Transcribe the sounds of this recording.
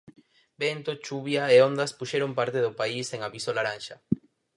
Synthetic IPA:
bent̪ot͡ʃuβjaeond̪aspuʃeɾompaɾt̪eðopaiseŋaβisolaɾanʃa

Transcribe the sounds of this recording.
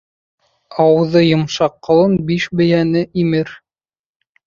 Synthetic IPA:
ɑwɤ̆ðɤjŏmʃɑqːɤ̆lˠɤnbiʃbɘ̆jænɘʔimɘɾ

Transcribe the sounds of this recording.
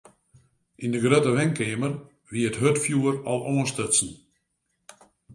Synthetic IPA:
ʔindəɡrøtəʋɛŋkʰeːmər | ʋiəətɦøtfjuərɔlˠʔoːənstøsn̩

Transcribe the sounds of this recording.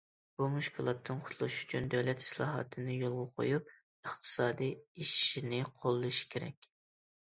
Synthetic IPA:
b̥umuʃkʰʲilˠɑt̪ʰːɨnqʰʊ̥t̪ʰlˠuʃy̥t͡ʃʰynd̪øwlɛt̪i̥slˠɑ̰ːɦɑ̰t̪ʰɨnɨjolˠʁʊqʰo̰jup̚ | əχt̪ʰɨ̥sɑːd̪ijiʃinɪqʰolˠːɨʃi̥kʲʰeɾɛ̰kʲ

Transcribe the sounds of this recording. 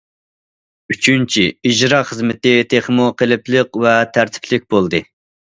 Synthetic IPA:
yt͡ʃʰynt͡ʃʰiid͡ʒɾɑχəzmɪt̪ɪt̪ʰeχmuqʰəlɪplˠəqvɛt̪ʰæɾt̪ʰɪ̥pʰlɪk̚ʲbolˠd̪ɨ

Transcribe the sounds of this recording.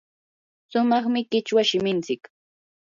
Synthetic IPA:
sʊmɑχmɪkɪt͡ʃwaʃɪmɪnt͡sɪk

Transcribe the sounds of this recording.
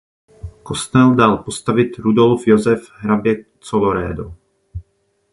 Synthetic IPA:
kɔst̪ɛld̪alpɔst̪aʋit̪ɾud̪ɔlfjɔzɛvɦɾabɪjɛk̚t͡sɔlɔɾɛ̰ːd̪ɔ

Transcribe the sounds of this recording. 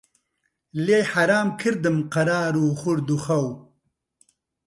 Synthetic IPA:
lejħaɾaːmkʰiɾd̪əmqɐɾaːɾuːχuɾd̪uxɐw

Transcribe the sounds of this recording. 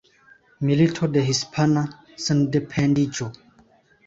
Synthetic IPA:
militʰodeɦispʰana | səndepʰɛ̃ndid͡ʒo

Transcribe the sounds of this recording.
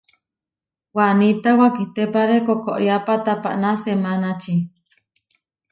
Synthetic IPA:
wanit̪awakiht̪epaɾekokoʔɾjapat̪apa̰ʔnasemanat͡ʃi

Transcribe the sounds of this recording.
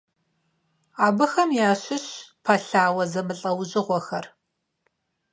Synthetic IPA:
aːbɨxɐmjaːɕɪɕpʰaɬaːwɐzɐmɨɬʼɐwʑʼɪʁʷɔxɐr

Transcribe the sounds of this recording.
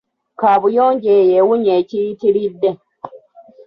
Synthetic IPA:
kaβujoːɲɟejewuɲecijitiɾidːe

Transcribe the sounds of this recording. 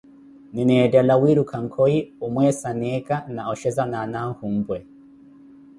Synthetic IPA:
ninɛdalawiɾukʰaŋ̩kʰɔiumwɛsanɛkʼanaɔʃɛzananaŋ̩hum̩bwɛ

